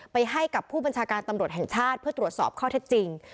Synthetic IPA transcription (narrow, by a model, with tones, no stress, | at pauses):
pa˧jɦa˥˩jka˨˩pʰːuː˥˩ba˧nt͡ɕʰaː˧kaː˧nt̪a˧mɾu˨˩ət̪̚ɦɛ˨˩ŋt͡ɕʰaː˥˩t̪̚pʰɯ˥˩ɐt̪ɾu˨˩ət̪̚sɔː˨˩p̚kʰɔː˥˩t̪ʰe˦˥t̪̚t͡ɕi˧ŋ